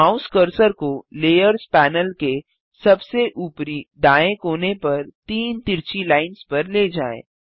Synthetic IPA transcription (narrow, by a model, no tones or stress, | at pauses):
aʊ̃skəɾsəɾkoleːjəɾzpɛːnəlke | sɐbseʔuːpɾid̪aːẽkoːnepɐɾt̪iːnt̪ɪɾt͡ʃilaːɪnspɐɾleːd͡ʒaːḛ̃ː